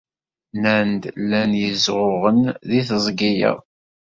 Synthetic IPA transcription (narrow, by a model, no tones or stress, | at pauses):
nænd̪lːænjəzʁʊʁənðiθəzˤɡijə̰